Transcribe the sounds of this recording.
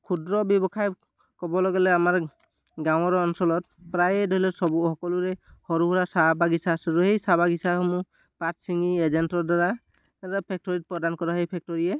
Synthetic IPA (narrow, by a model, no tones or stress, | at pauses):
kʰudɹɔbjɔbɔkʰaj | kɔbɔlɔɡɛlɛamaɹ | ɡaw̃ɔɹɔnsɔlɔt̚ | pɹajɛdʱolɛsɔbuhɔkɔluɹɛhɔɾuɦuɾasabaɡisaːsɛɾuhejsabaɡisahɔmu | patsiŋied͡ʒɛntɔdaɹa | ɾɔpʰɛk̚tɔɹit̚pɔdankɔɹaɦejpʰɛk̚tɔɹiɛ